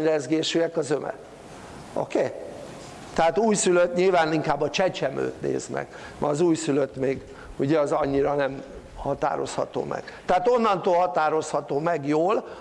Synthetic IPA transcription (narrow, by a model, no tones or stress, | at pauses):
ɲrɛzɡeːʃyɛkɒzømɛ̰ | o̰keː | t̪ɛɦat̪uːjsyløt̪ɲilvaːniŋkaːbːɒt͡ʃɛt͡ʃɛmø̰ːt̪nḛːzmɛ̰k | mɒɒzuːjsyløt̪meːɡ | uɟɛɒzɒɲːiɾɒnɛm | hɒt̪a̰ːɾo̞̰shɒ̰t̪o̰ːmɛ̰ɡ̥t̪ɛɦat̪o̞nːɒnt̪oːlhɒt̪aːɾo̞shɒt̪oːmɛɡjoːl